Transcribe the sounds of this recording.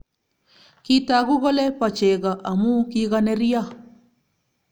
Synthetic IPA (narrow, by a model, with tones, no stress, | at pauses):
ki˦ta˨ɡʊ˦ɡɔ˦lɛ˦pa˨t͡ʃe˨ɡa˨ʔa˨mu˦ki˦ɡa˦nɛ˦ɾi˦a˦˨